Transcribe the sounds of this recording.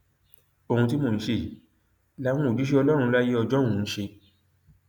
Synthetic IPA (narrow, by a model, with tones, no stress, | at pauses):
o˧˨hũ˧t̬i˦mõ˨n̩˦ʃe˦˧˨i˨˦ | la˦w̃ũ˦o˨d͡ʒu˨˦ʃ̬e˦ɔ˧lɔ˦ɾũ˧la˦je˦ɔ˧d͡ʒɔ˦ũ˨˧n̩˦ʃe˧